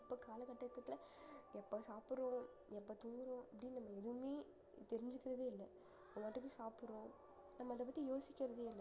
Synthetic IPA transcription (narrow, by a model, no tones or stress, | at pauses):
ɪpːoːkaːlɐkɐʈːɐt̪ːɐt̪ːɪlɐ | ɛpːoːsaːpɯɾõː | ɛpːoːt̪ʊŋɡɯɾõɐpːɐɽɪnnɐmːɐɛðɯʋɯmeː | t̪ɛɾɪɲd͡ʒɯkːɪɾɐðeːɪlːɐ | mɐːʈːɯkːɯ̃saːpɯɾõ | nɐmːɐɐðɐp̬ɐt̪ːijoːsɪkʲːɪɾɐðeːɪlː